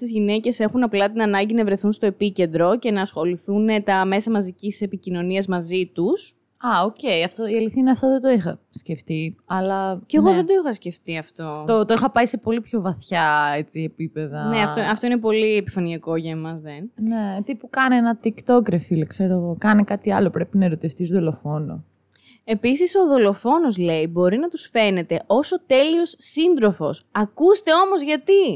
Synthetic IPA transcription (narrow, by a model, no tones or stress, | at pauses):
t̪izʝinece̞se̞xunɐplɐt̪inɐnɐɲɟinɐvɾe̞θunst̪o̞epice̞nd̪ɾo̞ce̞nɐːsxo̞liθunet̪ɐme̞sɐmɐzicise̞picino̞niɐzmɐzit̪us | ɐocejɐft̪oiɐliθinɐɐft̪ɐðed̪oixɐ | sceft̪iɐlɐceɣo̞ðed̪o̞ixɐsce̞ft̪iɐft̪o̞t̪ot̪oixɐpɐise̞po̞lipço̞vɐθçɐet͡siepipe̞ðɐne̞ɐft̪oɐft̪o̞inep̬o̞liepi̥fɐniɐko̞ʝɐimɐzðennet̪ipukɐneenɐt̪ikt̪o̞kɾefilekse̞ɾoɣokɐnekɐt̪iɐlo̞pɾe̞pinɐeɾo̞t̪ift̪izðo̞lofo̞no̞̰ | e̞pisiso̞ðo̞lo̞fo̞no̞zle̞ibo̞ɾinɐt̪usfe̞ne̞t̪e̞ʔo̞so̞t̪e̞lio̞sːind̪ɾofosɐkust̪e̞o̞mo̞zʝɐt̪i